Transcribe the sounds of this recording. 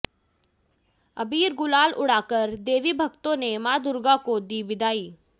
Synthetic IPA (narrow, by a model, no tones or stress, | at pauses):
ɐbiːɾɡʊlaːlʔʊɽaːkəɾd̪eːʋibʱɐɡt̪õnemaːd̪ʊɾɡakod̪iːbɪd̪aːiː